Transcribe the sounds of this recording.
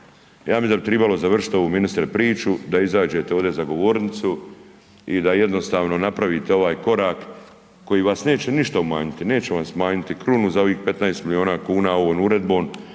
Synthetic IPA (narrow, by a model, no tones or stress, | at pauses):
jaːmid̪abit̪ɾibalo̞zaʋr̩ʂi̥t̪oʋuminist̪ɾepɾiːt͡ʃud̪aizaːd͡ʒe̞t̪eo̞ʋd̪ezaɡo̞ʋo̞ːɾnit̪su | id̪aje̞d̪no̞st̪aːʋno̞napɾaʋit̪eo̞ʋaːjko̞ɾaːkː | o̞jiːʋaːsne̞ːt͡ɕeniʃt̪aumaːɲit̪ine̞ːt͡ɕeʋasmaːɲit̪ikɾunuzao̞ʋiːxpe̞t̪naest̪milio̞ːnaːkuːnaːoʋoːnuɾe̞d̪̚bo̞ːn